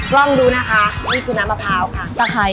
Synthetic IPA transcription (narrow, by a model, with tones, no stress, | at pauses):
klɔ˥˩ŋduː˧na˦˥kʰa˦˥niː˥˩kʰu˧na˧˦ma˧pʰaː˧wkʰa˥˩t̪a˧˩kʰa˧˩